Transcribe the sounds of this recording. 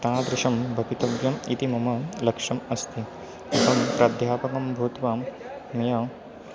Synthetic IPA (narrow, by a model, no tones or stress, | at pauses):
t̪ãːd̪ɾɪʃɐmbʱɐʋit̪ɐʋjɐmḭt̪imɐmɐlɐkʂɐmɐst̪ʰi | ɐt̪ɐmpɾaːd̪ʱjaːpɐkɐmbʱuːt̪ʋaːm | mɐjɐ